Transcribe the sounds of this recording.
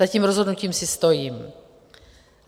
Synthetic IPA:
aciːmɾozɦo̞dnuciːmsɪst̪o̞jiːm

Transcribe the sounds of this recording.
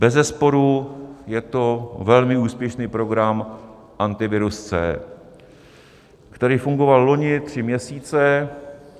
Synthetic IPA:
bɛzɛspo̞ɾujɛt̪o̞vɛlmɪuːspjɛʃniːpɾo̞ɡɾam | ʔant̪ɪvɪɾust͡sɛ̰ː | kt̪ɛɾiːfuŋɡo̞vallo̞ɲɪt̪r̝̥ɪmɲɛsiːt͡sɛ

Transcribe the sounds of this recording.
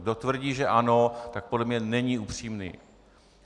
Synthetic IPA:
do̞t̪vr̩ɟiːʒɛʔano̞t̪ak̚podlɛmɲɛnɛɲiupr̝̥iːmnḭː

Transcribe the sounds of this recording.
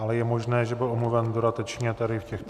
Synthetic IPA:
ʔalɛjɛmoʒnɛːʒɛbɪlʔomluvɛndodat̪ɛt͡ʃɲɛt̪aɾɪfcɛxt̪

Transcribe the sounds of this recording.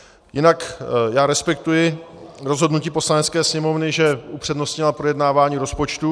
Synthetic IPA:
jɪnakjaːɾɛspɛkt̪ujɪɾo̞zɦo̞dnuciːpo̞slanɛt͡skɛːsɲɛmo̞vnɪʒɛupr̝̥ɛdno̞stɲɪlapɾojɛdnaːvaːɲiːɾo̞spot͡ʃt̪u

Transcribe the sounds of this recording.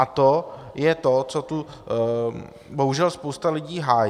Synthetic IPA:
at̪ojɛt̪ot͡sot̪u | boɦuʒɛlspo̞wst̪alɪɟiːɦaːj

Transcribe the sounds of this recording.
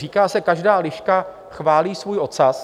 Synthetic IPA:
iːkaːsɛkaʒdaːlɪʃka | xvaːliːsvuːjʔo̞t̪sas

